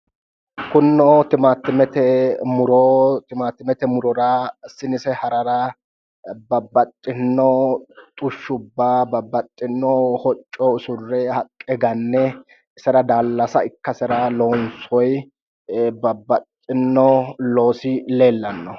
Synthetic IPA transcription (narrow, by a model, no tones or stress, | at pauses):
kʊnːɔt̪ɪmat̪ːɪmɛt̪ɛmʊɾɔt̪ɪmaːt̪ːɪmɛt̪ɛmʊɾɔɾasɪnɪsɛhɐɾɐɾɐ | bɐbːɐt̪ʼːɪnːɔt̪ʼʊʃːʊbːaːbɐbːɐt̪ʼːɪnːɔhɔt͡ʃʼːɔɪsʊrːɛhɐkʼːɛɡɐnːɛ | ɪsɛɾɐd̪aːlːɐsɐɪkːɐsɛɾaloːnsɔj | bɐbːɐt̪ʼːɪnːɔloːsɪle̞ːlːɐnːɔ